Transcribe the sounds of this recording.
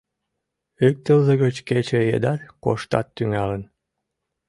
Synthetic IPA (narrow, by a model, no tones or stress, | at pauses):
yk̚t̪əlzəɣət͡ɕket͡ɕejḛd̪ɑrko̰ʃt̪ɑ̰t̪ːyŋɑlən